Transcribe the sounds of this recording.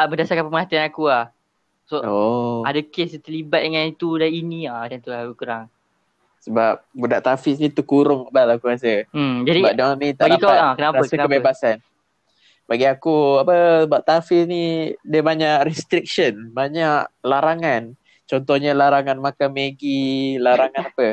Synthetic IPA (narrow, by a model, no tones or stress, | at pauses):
abədasakãpəməɦat̪ianakuah | sooadakest̪əlibat̪̚dəŋãnit̪udainiadant̪uahakukəɾaŋ | səbap̚budaʔt̪afisnit̪ukuɾʊŋabalakuɾas̬əd͡ʒadibadaanit̪aʔbaɡdakoakənapɾaəsakəbebasan | baɡiakuapəsəbap̚t̪afisnidiəbaɲaʔɾɛst̪ɾik̚ʃənbaɲaʔlaɾaŋan | t͡ʃɔnt̪ɔhɲalaɾaŋanmakameɡilaɾaŋãnapə